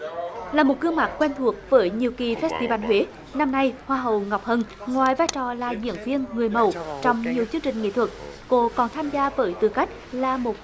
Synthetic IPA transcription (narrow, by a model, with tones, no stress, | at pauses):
laː˨˩mo˨˩t̚kɨ˧əŋmaː˨˩k̚kwe˧nt̪ʰu˨˩ək̚vəː˨˦jɲi˨əwki˨˩fɛ˦˥t̚t̪i˧va˧nɦwe˨˦ | na˧mna˧jhwaː˧ɦə̰˧˨wŋɔ˨˩wk͡p̚hə˧˨nŋwaː˨jvaː˧jt͡ɕɔ˨˩laː˨˩zḭ˧˨ənvi˧ənŋɨ˨˩əjmə̰˧˩˨wt͡ɕɔ˧wŋ͡mɲi˨˩əwt͡ɕɨ˧əŋt͡ɕï˨˩ŋ̟ŋḛ˧˨t̪ʰwə˨˩k̚ko˧˦kɔ˨˩nt̪ʰaː˧mzaː˧vəː˨˦jt̪ɨ˨˩ka˦˥jk̟̚laː˨˩mo˨˩t̚